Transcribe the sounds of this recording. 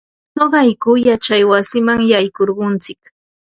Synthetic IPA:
noɢɑjkʊjat͡ʃajwasɪmaŋjajkoɾɢʊnt͡sɪk

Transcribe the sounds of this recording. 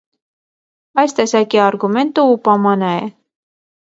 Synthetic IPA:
ɑjst̪ɛsɑkiɑɾɡumɛnt̪uupɑmɑnɑɛ̰

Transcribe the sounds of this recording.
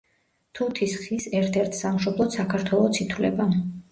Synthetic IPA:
t̪ʰut̪ʰisχisɛɾt̪ʰɛɾt̪ʰsamʃɔblˠɔt̪sakʰaɾt̪ʰwɛlˠɔt̪sʰit̪ʰwlɛ̰ba

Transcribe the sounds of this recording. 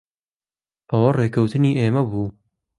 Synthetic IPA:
ʔɐwɐreːkʰɐwt̪ɨniːʔeːmɐbuː

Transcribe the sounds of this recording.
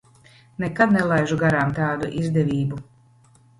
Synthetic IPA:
nɛkad̪nɛlˠajʒuɡaɾaːmt̪aːd̪uʔizd̪ɛvʲiːbu

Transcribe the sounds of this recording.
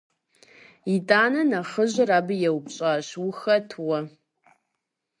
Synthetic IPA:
itʼaːnɐnɐχəʑʷɪraːbɨjɛwpɕʼaːɕʊxɐtʰwɐ

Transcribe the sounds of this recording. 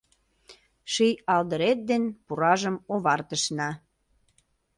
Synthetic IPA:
ʃijɑld̪əɾet̪̚d̪enpuɾɑʒəmoβɑrt̪əʃnɑ

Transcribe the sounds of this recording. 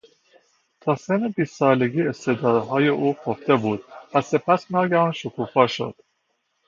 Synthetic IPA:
t̪ʰɒːsenebiːst̪sɒːleɡiːe̞st̪ʰed̪ɒːd̪ɦɒːjeʔuːpʰoft̪e̞buːd̪̥̚væse̞pʰæsnɒːɡæɾɒːnʃokʰuːfɒːʃo̞̰d̪̥

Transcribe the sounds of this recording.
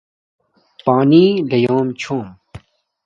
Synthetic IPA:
paːniːd̪ɐjoːmt͡ɕʰõːm

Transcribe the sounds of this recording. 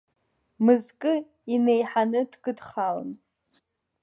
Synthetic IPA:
mɨzkʼɨ | inejħanɨdɡʼɨdχala̰n

